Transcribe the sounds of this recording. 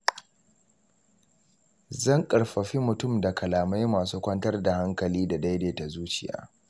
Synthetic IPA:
zɐ˦˨ŋkʼɐ˨ɽɸɐ˨ɸi˦mʊ˨tʊ˦˨mda˨kʰɐ˨laː˨ma˦jmaː˨s̬uː˦kʷɐ˦ntɐ˦rda˨ha˦ŋkɐ˨liː˦da˨da˦jdeː˨ta˨zuː˦t͡ʃɪ˦˨ja̰ː˨˦

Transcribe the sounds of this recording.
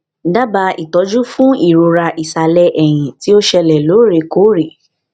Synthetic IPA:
da˦ba˧i˨tɔ˨˦d͡ʒu˦fũ˦i˦˨ɾo˧ɾa˧ʔi˨sa˨lɛ˧˦ʔɛ˦˨j̃ĩ˨ti˨˦o˦ʃɛ˧lɛ˨lo˨˦ɾe˧ko˨˦ɾe˨

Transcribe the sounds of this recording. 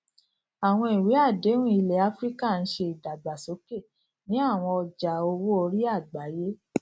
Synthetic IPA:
a˨w̃ɔ̃˧i˨we˨˦a˦˨de˨˦nũ˦i˧le˨˦a˨˦fɾi˦ka˦˨n̩˦ʃe˧i˨da˨ɡ͡ba˨so˨˦ke˦˨ | nĩ˨˦a˦˨w̃ɔ̃˧ɔ˧d͡ʒa˨o˧wo˦o˧˦ɾi˦a˦˨ɡ͡ba˨˦je˦

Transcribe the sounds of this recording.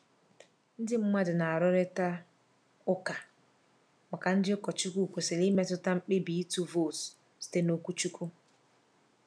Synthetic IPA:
n̩˦dɪ˦m̩˦ma˦dɪ˨na˨a˨ɾʊ˦ɾe˦ta˦ | ʊ˦ka˨ | ma˨ka˨n̩˦dɪ˦ʊ˦kɔ˨t͡ʃu˦ku˦˨kʷo˨sɪ˨lɪ˦me˦tʊ˦ta˦m̩˦k͡pe˦bi˨i˦tu˦vo˦˨s | sɪ̥˨te˦no˨kʷu˦t͡ʃu˦ku˦

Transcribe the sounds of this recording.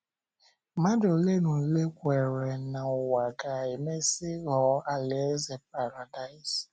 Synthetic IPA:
ma˦dʊ˨le˦nu˨le˦kʷe˨ɾe˨na˨ʊ˨wa˨ka˨e˨me˦sɪ˦ɣɔ˨˦a˦le˨˦ze˨p̚a˨ɾa˨da˦ɪ˦s

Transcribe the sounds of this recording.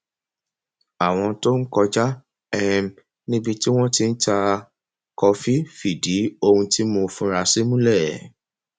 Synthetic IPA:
a˨w̃ɔ̃˧to˦n̩˦kɔ˧d͡ʒa˦ | ɛ˦˧m˨ | nĩ˦bi˧ti˦w̃ɔ̃˦ti˧n̩˦ta˧ | kɔ˧fi˦fi˨di˨˦o˧hũ˧ti˦mo˧fũ˧˦ɾa˧si˦mũ˦lɛ˦˨

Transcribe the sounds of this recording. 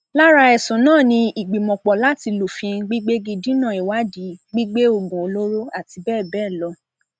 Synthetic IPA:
la˦ɾa˧ɛ˨sũ˨nãː˦˨nĩ˧i˨ɡ͡bi˨mɔ̃˨k͡pɔ˨la˦ti˧lo˨fĩ˧n̩˦ɡ͡bi˦ɡ͡be˦ɡi˦˧dĩ˦nã˦˨i˨wa˨˦di˨˦ɡ͡bi˦ɡ͡be˦o˦˨ɡũ˨o˧lo˦ɾo˦a˦˨ti˧bɛː˦˨bɛː˦˨lɔ˧˦

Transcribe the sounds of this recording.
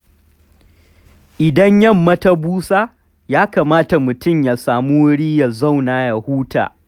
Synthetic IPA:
ʔɪ˨dɐ˦ɲjɐ˦mːɐ˦ta˦buː˦saː˦ | jaː˦kaː˨maː˦ta˨mʊ˨tʊ˦mja˨saː˨muː˦wɽiː˦ja˨za˦˨wnaː˨ja˨huː˦ta̰ː˨

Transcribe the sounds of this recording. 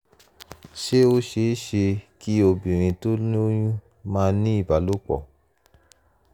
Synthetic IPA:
ʃe˦o˦ʃe˧˦ʃe˧ki˦o˧bĩ˨ɾ̃ĩ˧to˦nĩ˦o˦j̃ũ˦ | mãː˦nĩ˦i˦˨ba˨˦lo˦k͡pɔ̰˦˨

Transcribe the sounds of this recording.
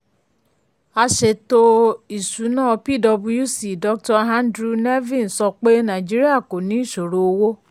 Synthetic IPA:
a˧ʃe˧˨to˦i˨su˨˦nãː˦˧pi˦˨dɔ˧bũ˧ju˦˨si˨dɔ˦k̚tɔ˧ɦã˦ndɾu˧ne˦vĩ˦˨n̩˨sɔ˧k͡pe˦nã˨d͡ʒi˦ɾi˦a˦˨ko˨nĩ˨˦i˦˨ʃo˨ɾo˧o˧wo˦

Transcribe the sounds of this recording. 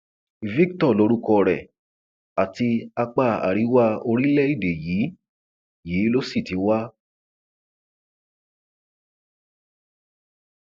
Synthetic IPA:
vi˦ktɔ˦˨lo˧˦ɾu˦kɔ˧ɾɛ˨ | a˨ti˧a˧k͡pa˦˧˨a̰˨ɾi˨˦wa˦o˧ɾĩ˦lɛ˦i˦˨de˨jiː˨˦ | je˨˦lo˦si˦˨tĩ˨˦wa˦

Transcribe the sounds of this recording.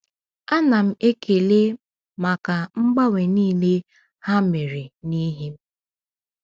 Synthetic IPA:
a˦na˨m̩˦e˦kʰe˨le˦ | ma˨ka˨ŋ͡m̩˦ɡ͡ba˦we˨niː˦le˦ | ha˦me˨ɾe˨ni˦ɦe˦m̩˦

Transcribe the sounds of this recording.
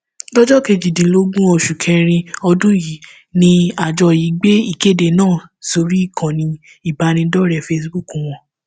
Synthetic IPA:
lɔ˦d͡ʒɔ˦ke˧d͡ʒi˨dĩ˨˦lo˦ɡũ˦ɔ˧ʃu˨kʰɛ̃˧ɾ̃ĩ˧ɔ˧dũ˦ji˨˦ | nĩ˧a˨d͡ʒɔ˧ji˨˦ɡ͡be˦i˦˨ke˦˨de˧˨nãː˦˨so˧ɾi˦i˦˨kʰã˨nĩ˧ | i˦˨ba˨˦nĩ˧dɔ˦ɾɛ˨fe˦sbu˦˨kũ˨w̃ɔ̃˧

